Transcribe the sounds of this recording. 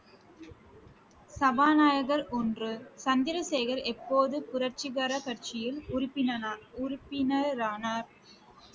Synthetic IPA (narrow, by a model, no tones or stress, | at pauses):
sɐbaːnaːjɐɣɐɾʔɔndrɯsɐnd̪ɪɾɐseːɣɐɾɛpːoːðɯpʊɾɐɾt͡ʃɪɣɐɾɐkɐɾt͡ʃɪjɪlʊɾʊpːɪnɐʊɾɪpːɪnɐɾɾaːnaːɾ